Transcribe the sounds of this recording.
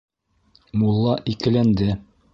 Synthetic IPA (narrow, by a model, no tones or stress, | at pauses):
mulˠːɑʔikɘ̆lænd̪ɘ